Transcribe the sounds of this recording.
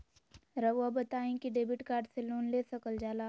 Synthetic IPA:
ɾɐʋabɐt̪aːẽkiɖeːbɪʈkaːɾɖseloːnleːsɐkəld͡ʒaːlaː

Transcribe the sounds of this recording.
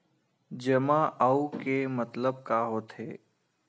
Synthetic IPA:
d͡ʒɐmãʔaukemət̪ləb̚kaɦoːt̪ʰɦeː

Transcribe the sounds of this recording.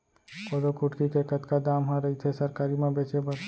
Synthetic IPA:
kod̪okuʈkikekət̪kad̪amɦãɾəit̪ʰesəɾkaɾimẽbet͡ʃebə

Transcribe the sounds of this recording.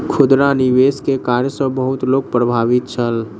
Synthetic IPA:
kʰʊd̪ɾaniʋeskekaɾjəsə̃bəɦʊt̪loːɡ̚pɾəbʱaːʋit̪̚t͡ʃʰəl

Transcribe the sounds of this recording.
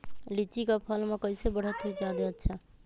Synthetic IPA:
lit͡ʃikəpʰəlmekəjsebəɽ̤ət̪ɦujd͡ʒad̪eətːʃʰa

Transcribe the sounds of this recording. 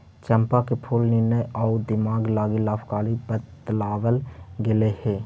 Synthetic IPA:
t͡ʃə̃mpakepʰuːlnɪnəɔːd̪ɪmaːɡlaːɡilaːpʰkaːlibət̪laːʋəlɡɪleheː

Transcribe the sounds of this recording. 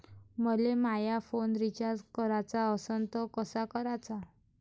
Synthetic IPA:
məlemajafonɾit͡ɕaɾd͡zkəɾat͡saəsənt̪əkəsakəɾat͡sa

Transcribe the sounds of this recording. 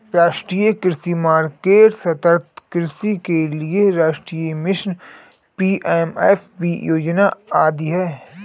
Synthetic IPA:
ɾaːʃʈɾijəkɾɪsimaːɾkeːʈsɐt̪əɾt̪ʰkɾɪsikelieɾaːʃʈɾijəmɪʃn | piːʔemefbijoːd͡ʒnaaːd̪iɦɛː

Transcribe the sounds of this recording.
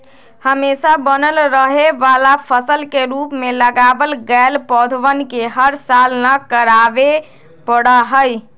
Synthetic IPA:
həmesabənəlɾəɦeʋalapʰəsəlkeɾupmeləɡabəlɡəlpɔd̪ʱʋənkeɦəɾsalnəkəɾabe | pəɽəɦəj

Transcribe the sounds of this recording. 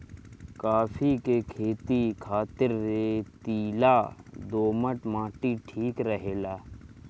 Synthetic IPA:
kaːfʰikekʰeːt̪ikʰaːt̪ɪɾːet̪iːlad̪oːməʈmãːʈiʈʰiːkɾəɦeːlaː

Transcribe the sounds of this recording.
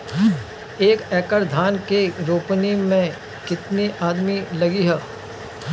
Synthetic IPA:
eːkɛːkəɾd̪ʱaːnkeɾoːpnimẽ | kɪt̪niʔaːd̪milɐɡiɦɛː

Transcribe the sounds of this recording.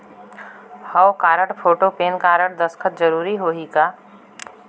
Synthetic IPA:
hɐwkaːɾəʈpʰoːʈopeːnkaːɾəɽd̪ɐskʰət̪̚d͡ʒəɾuːɾiɦoːɦikaː

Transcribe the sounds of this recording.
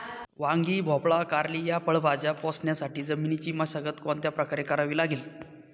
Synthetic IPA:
ʋãŋɡiːbʱɔpɭakaɾlijapəɭbad͡ʑjapɔsɳjasaʈiːd͡zəminit͡ɕiːmaɕaɡət̪kɔnt̪japɾəkaɾekaɾaʋiːlaɡiːl

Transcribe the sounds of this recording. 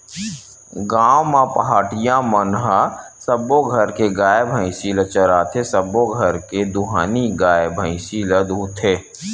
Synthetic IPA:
ɡaːwmãpɐɦaːʈɪjãmənɦəsəboɡʱɐɾkeɡaːjebʱə̃ĩsilət͡ʃəɾaːt̪ʰesəboɡʱɐɾked̪ʊɦaːniɡaːjebʱə̃ĩsiləd̪uːt̪ʰeː

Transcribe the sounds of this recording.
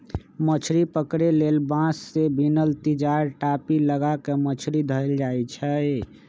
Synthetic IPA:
mət͡ʃʰɾipəkɾelelbãsːebʱinəlt̪id͡ʒaɾʈapiləɡakemət͡ʃʰɾid̪ʱəɾld͡ʒajt͡ʃʰə

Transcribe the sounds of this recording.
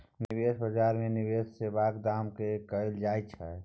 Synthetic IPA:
nɪweːsbəd͡ʒaːɾmẽnɪweːssebaːkd̪aːmkekəild͡ʒaːjt͡ʃʰaɛ

